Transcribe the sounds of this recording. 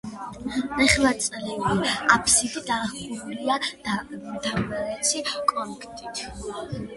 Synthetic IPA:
ɛχlat̪sʼlɛbiapʰsit̪ʰid̪aχuɾulia | d̪amaɾɛt̪sʰikʼɔnkʰt̪ʼit̪ʰ

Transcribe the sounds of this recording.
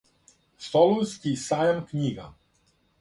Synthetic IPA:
sɔluskisajamkɲiɡa

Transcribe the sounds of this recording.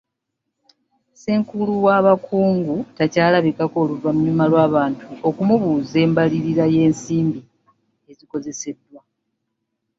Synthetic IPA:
seːŋkuluwaβakʰuːŋɡutacaːlaβikako̞ːluvamuɲumalwaːβaːntʰuo̞kumuβuːze̞ːmbaliɾiɾaje̞ːnsiːmbi | e̞ziko̞ze̞se̞dːwa

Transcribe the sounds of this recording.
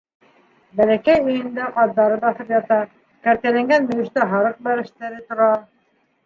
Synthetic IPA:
bælækæjɵ̆jɘ̆nd̪æqɑðːɑɾɤbɑθɤpjɑt̪ɑ | kæɾt̪ælæŋɡænbɵ̆jɘ̆ʃt̪æɦɑɾɤq̚bæɾɘ̆ʃt̪æɾɘt̪ŏɾɑ

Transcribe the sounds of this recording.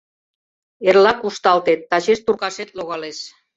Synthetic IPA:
erlɑkuʃt̪ɑlt̪et̪ːɑt͡ɕeʃt̪urkɑʃet̪loɣɑleʃ

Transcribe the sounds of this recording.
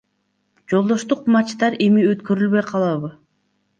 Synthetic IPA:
d͡ʒo̞lˠd̪o̞ʃt̪uqmɑt͡ʃt̪ɑɾe̞miøt̪kø̞ɾylβø̞jqʰɑlˠɑβɯ

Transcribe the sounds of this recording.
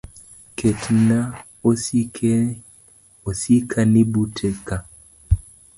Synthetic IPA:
ketʰina | oske | osikʰanibutʰeka

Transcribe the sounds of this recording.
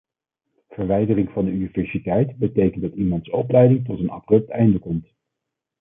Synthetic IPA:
v̥əɹʋɛjdərɪŋvɑndəyniv̥ɛɹsitɛjtbətejkəndɑtimɑntsɔplɛjdɪŋtɔtənɑ̰brɵp̚tɛjndəkɔmt

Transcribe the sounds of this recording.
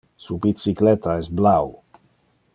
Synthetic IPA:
subisiklɛt̪aɛsblaw

